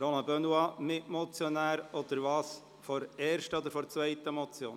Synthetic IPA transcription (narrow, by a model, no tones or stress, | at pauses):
ɾɔlɑ̃bœnuɑmɪtmɔt͡sjɔnæːɾɔd̥̪əɾvɑːs | fɔɾɛːɾʃtəɔd̪əɾfɔɾt͡svœɪt̪əmɔt͡sjo̰ːn